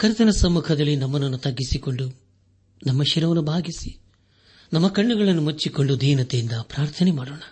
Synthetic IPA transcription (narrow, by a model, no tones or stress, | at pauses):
kɐɾit̪ɐnɐsɐmːukʰɐd̪ɐlːinɐmːɐnɐnːut̪ɐɡːisiko̞ɳɖu | nɐmːɐʃiɾɐʋɐnubʱaːɡisi̥ | nɐmːɐkɐɳːuɡɐɭɐnːumɐt͡ʃːiko̞ɳɖud̪ʱiːnɐt̪ejind̪ɐpɾaːɾt̪ʰɐnɛmaːɽoːɳɐ